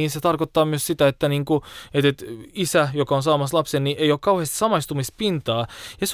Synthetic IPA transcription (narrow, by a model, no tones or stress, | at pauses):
iːnset̪ɑrkot̪ːɑːmyøssit̪æet̪ːæniːŋkuet̪et̪isæjokɑonsɑːmɑslɑpsenniʔeijokkɑuheːst̪sɑmɑist̪umispint̪ɑːjɑs